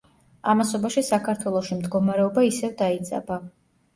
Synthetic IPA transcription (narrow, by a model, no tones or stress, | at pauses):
amasɔbaʃisakʰaɾt̪ʰwɛlˠɔʃimd̪ɡɔmaɾɛɔbaisɛvd̪ait̪sʼɛ̰ba